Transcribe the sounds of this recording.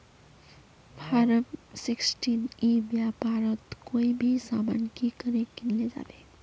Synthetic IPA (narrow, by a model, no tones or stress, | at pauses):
bʱaɾəpsiksʈinibjapaɾət̪koibʱisama̰nkikəɾekinled͡ʒa̰be